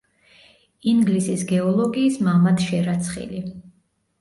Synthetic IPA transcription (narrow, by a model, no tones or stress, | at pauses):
iŋɡlisisɡɛɔlˠɔɡiːsmamat̪ʃɛɾat̪sʰχḭli